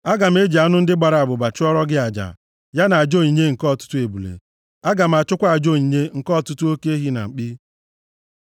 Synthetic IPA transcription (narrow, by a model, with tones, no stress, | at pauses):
a˦ɡa˨m̩˦e˦d͡ʒi˨a˦nʊ˦n̩˦dɪ˦ɡ͡ba˨ɾa˨a˨bʊ˨ba˨t͡ʃɪ˦ɔ˦ɾɔ˦ɡɪ˦a˨d͡ʒa̰˨ | ja˦na˨a˨d͡ʒo˦˨ɲi˨ɲe˦ŋ̩˨kɔ˦˨tʊ̥˦tʊ˦e˨bu˨lḛ˨ | a˦ɡa˨m̩˨a˨t͡ʃʊ˦kʷa˦a˨d͡ʒo˦˨ɲi˨ɲe˦ŋ̩˨kɔ˦˨tʊ˦tu˦o˦ke˦ɦi˦na̰˨k͡pi˦